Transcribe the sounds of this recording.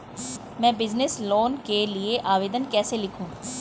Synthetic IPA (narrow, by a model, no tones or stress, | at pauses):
mɛ̃ːbɪznɪsloːnkelɪeʔaːʋeːd̪ənkɛːseːlɪkʰũː